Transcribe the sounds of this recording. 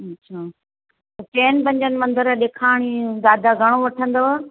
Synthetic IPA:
ɐt͡ɕʰaː | t͡ɕeːnpɐ̃ɲd͡ʑənɪ̆mɐ̃nd̪əɾəɗeːkʰaːɽ̃id̪aːd̪aɡʱɐɽ̃oʋɐʈʰə̃nd̪oː

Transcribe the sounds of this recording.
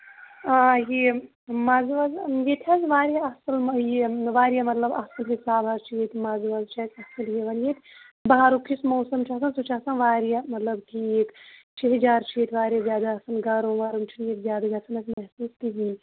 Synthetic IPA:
aːje | mɐzʋɐzjet̪ʰʲɐzʋaːɾijaɐsɐljeʋaːɾijamɐt̪lɐbɐsɐlɦisaːbɦɐzt͡ʃʰijet̪ʰmɐzʋɐzt͡ʃʰɐt̪ɐsɐljeʋɐnjet̪ʲ | baɦaɾukʰismoːsɐmt͡ʃʰas̬ɐnsut͡ʃʰaːsɐnʋaːɾjamɐt̪lɐbʈʰikt͡ʃʰeɦɐzaːɾt͡ʃʰiet̪ʰʲʋaːɾijazʲjaːd̪aɐsɐnɡɐɾoʋaːɾumt͡ʃʰinjet̪zjaːd̪aɡɐsɐnɐk̪mɐɦsuːst̪iɦiːn

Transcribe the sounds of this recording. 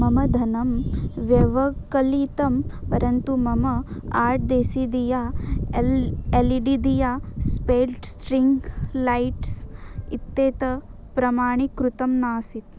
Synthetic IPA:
mɐmɐd̪ʱɐnɐmʋjɐʋɐkɐlit̪ɐmpɐɾɐnt̪umɐmɐaːɾʈ̚d̪eːsid̪ijaːleliɖid̪ijaːspeːlʈsʈɾiŋɡlɐjʈsit̪ːeːt̪ɐ | pɾɐmaːɳ̃ikɾut̪ɐmnaːsit̪

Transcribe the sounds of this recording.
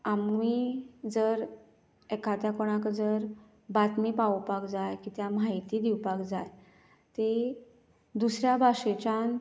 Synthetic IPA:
amːid͡zəɾ | ɛkʰat̪jakɔɽ̃akd͡zəɾ | bat̪mipawpakd͡zajkit̪jamaɦit̪iːd̪iwpakd͡zaj | t̪e | d̪usɾjabʱaʂet͡ɕan

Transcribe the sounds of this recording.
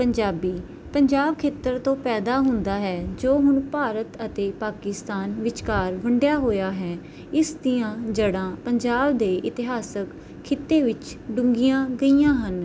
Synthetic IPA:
pəɲd͡ʒaːbiː | pəɲd͡ʒaːb̚kʰeːt̪əɾt̪õːpɛːd̪aːɦʊ̃nd̪aːɦɛːd͡ʒoːɦʊɳpaːɾət̪ət̪eːpaːkɪst̪aːnʋɪt͡ʃkaːɾʋəɳɖjaːɦoːjaːɦɛː | ɪsd̪ɪjãːd͡ʒəɽãːpəɲd͡ʒaːbd̪eːʔɪt̪ɪɦaːsək | kʰːɪt̪ːeːʋɪt͡ʃɖʊ̃ŋɡijãːɡəiːjãːɦən

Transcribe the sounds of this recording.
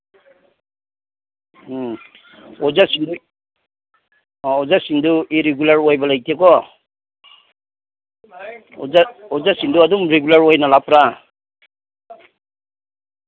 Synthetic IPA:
ɔzasindu | ɔzasinduiɾeɡulaɾɔjbalajtʰekɔ | ɔzaɔzasinduadumɾeɡulaɾɔjnalapɾa

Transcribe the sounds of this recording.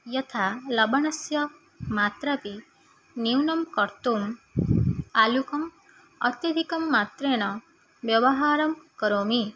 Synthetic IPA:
jʌt̪ʰalɐbɐɳ̃ɐsjɐ | mat̪ɾapi | niwnɐmkɔɾt̪um | alukɐm | ʌ̰t̪jɐd̪ʱikɐmːat̪ɾeɽ̃ɔ | ʋjɐʋɐɦaɾɐmkɔɾoːmi

